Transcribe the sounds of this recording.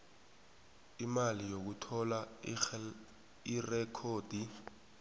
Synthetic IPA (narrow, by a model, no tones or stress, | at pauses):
imalijok̬utʰɔla | irɛkʰoːd̥ʱi